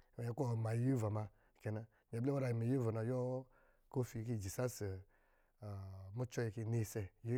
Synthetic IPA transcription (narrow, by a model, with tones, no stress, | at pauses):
wa˨ji˧˦ko˦˨ma˨˦ji˦va˨ma˧˨ | ke˨na˧˨ɲ˨a˨ble˦wa˦ɾa˨ji˨mi˨ji˦va˨na˨jɔ˦ | ko˦fi˧˨ki˦˨d͡ʒi˨sa˦se˨ | mu˦t͡ʃɔ˦ji˧˨ki˧ne˧˨se˨ji˦